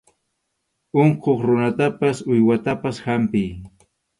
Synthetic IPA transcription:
oɴqʰoχɾʊnat̪apasʊjwat̪apashampɪj

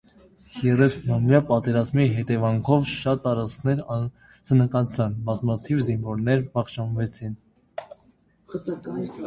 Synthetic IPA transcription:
jɛrɛsnɑmjɑpɑt̪ɛɾɑzmiɦɛt̪ɛvɑŋkʰɔvʃɑt̪ːɑɾɑt͡sʰnɛɾ | t͡sənəkɑt͡sʰɑnbɑzmɑt̪ʰivziɱvɔɾnɛɾbɑχʃɑnvɛt͡sʰin

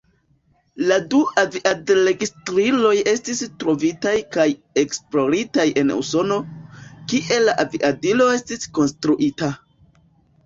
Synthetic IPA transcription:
laduaviʔadɾe̞ɡistɾilo̞je̞stistɾo̞vitajkaj | e̞ksplo̞ɾitaje̞nṵso̞no̞kiʔe̞laʔaviʔadilo̞e̞stisko̞nstɾuʔita

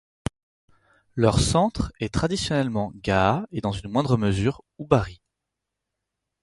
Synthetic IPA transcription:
lœʁsɑ̃t̪χɛt̪χad̪isjɔnɛlmɑ̃ɡaːed̪ɑ̃zynmwɛ̃d̪ʁəməzyːʁubaʁi

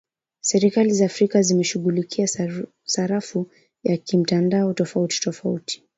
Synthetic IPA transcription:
sɛɾikalizaːfɾikazimɛʃuɠulikʰia | saɾafu | jakim̩tandaɔtɔfauti̥tɔfauti̥

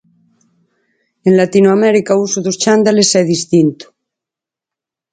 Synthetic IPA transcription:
enlat̪inoamɛɾikausuðost͡ʃand̪alesɛðist̪int̪u̥

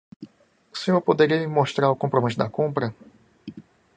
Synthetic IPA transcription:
u̥sẽɲoɾpod̪eɾiɐmɪmoʃt̪ɾaɾʊukõpɾomẽt͡ʃʊd̪ɐkõmpɾɐ

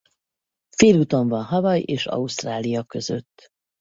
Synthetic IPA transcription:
feːlut̪o̞ɱvɒnɦɒvɒjeːʃɒ̰ust̪raːlijɒkø̞zø̞̰t̪ː

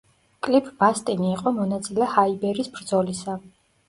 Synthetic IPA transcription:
kʼlipʰʼbast̪ʼiniːqʼɔmɔnat̪sʼilɛhaibɛɾisbɾd̪zɔlisa

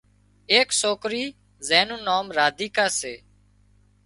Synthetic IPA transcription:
eːksoːkɾiː | zɛːnũːnoːmɾaːd̪iːkaːseː

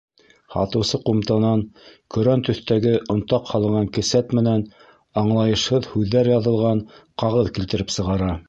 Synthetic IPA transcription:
hɑ̰t̪ɤ̆wsɤqumt̪ɑnɑnkɵ̆ɾænt̪ɵ̆θt̪æɡɘʔŏnt̪ɑqhɑlˠɤ̆ɴɑŋkɘ̆sæt̪mɘ̆næn | ɑɴlˠɑjɤ̆ʃhɤðhʉðːæɾjɑðɤ̆lˠʁɑnqɑʁɤðkilt̪ɘ̆ɾɘpsɤ̆ʁɑɾɑ

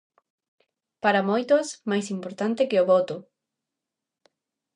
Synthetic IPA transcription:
paɾamojt̪osmajsimpoɾt̪ant̪ɪkeoβot̪o

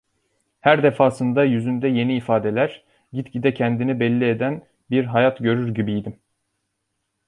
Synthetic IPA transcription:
hæɾd̪e̞faːsɯnd̪ajyzynd̪ɛje̞niːfaːd̪e̞lʲæɾ̥ | ɟit̪cid̪ɛcʰɛnd̪inibɛlʲːied̪æn | biɾɦajat̪ɟø̞ɾyɾɟibijd̪im

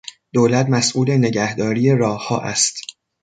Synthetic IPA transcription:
d̪̥oːlæt̪mæsʔuːle̞ne̞ɟæhd̪ɒːɾiːjeɾɒːhɒ̰ːʔæ̰st̪

